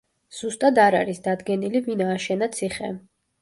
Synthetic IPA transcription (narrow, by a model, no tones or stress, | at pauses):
z̥ust̪ʼad̪aɾaɾisd̪ad̪ɡɛnilivinaːʃɛnat̪sʰiχɛ̰